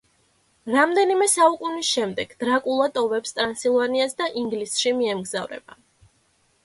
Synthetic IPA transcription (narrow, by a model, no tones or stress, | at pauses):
ɾamd̪ɛnimɛsaukʼunisʃɛmd̪ɛɡ̥d̪̥ɾakʼulˠad̪ʼɔvɛpst̪ʼɾansilˠvaniasd̪aʔiŋɡlisʃimiɛmɡzavɾɛ̰b̥a